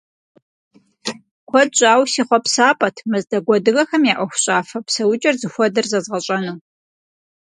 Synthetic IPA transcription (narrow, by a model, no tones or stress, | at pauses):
kʷʰɔdɕʼaːwsiːχʷɔpsaːpʼɐtʰmɨzdɐɡʷɔdɨɣɐxɐmjaːʔʷɐxʷʊɕʼaːfɐpsɐwʊt͡ʃʼɐrzɨxʷɔdɨrzɐzʁɐɕʼɐnuː